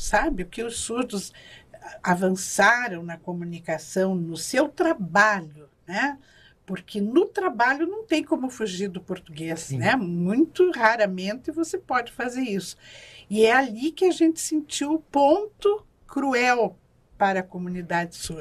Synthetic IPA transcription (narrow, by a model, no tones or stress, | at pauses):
sabɪʊkɪʊsːuɾd̪ʊz | avɐ̃saɾɐ̃w̃nɐkomũnikasɐ̃w̃nʊsewt̪ɾabaʎʊnɛ | poɾkʰɪnʊt̪ɾabaʎʊnɐ̃w̃t̪ẽj̃kõmʊfuʒiɾd̪ʊpoɾt̪uɡesnnɛmũj̃t̪ʊhaɾɐmẽnt̪ɪɪvosepɔd͡ʒɪfazeɾisʊ̥ɪɛalikɪaʒẽnt̪ɪ̥sẽnt͡ʃiwʊpõnt̪ʊ | kɾuɛw | paɾɐkomũnid̪ad͡ʒɪsuɾ